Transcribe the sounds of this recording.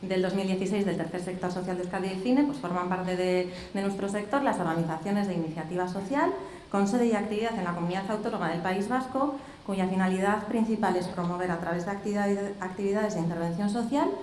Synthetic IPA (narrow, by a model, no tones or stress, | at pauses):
d̪e̞ld̪o̞zmild̪je̞θise̞jzðet̪e̞ɾθe̞ɾsek̚t̪o̞ɾso̞θjald̪eskaɾðjeeθine̞pwe̞sfo̞ɾmãmpaɾt̪e̞ðe | d̪e̞nwest̪ɾo̞se̞k̚t̪o̞ɾlaso̞ɾɣaniθaθjo̞ne̞zðeiniθjat̪iβ̞aso̞θjal | ko̞nse̞ðeiak̚t̪iβiðaθe̞nlako̞muniðaθawt̪o̞no̞maðe̞lpaizβasko̞ | kuʝafinaliðaðpɾin̟θipale̞spɾo̞mo̞β̞e̞ɾat̪ɾaβe̞zðakt̪iβiðaðe̞zðeint̪eɾβ̞e̞nθjõ̞nso̞θjal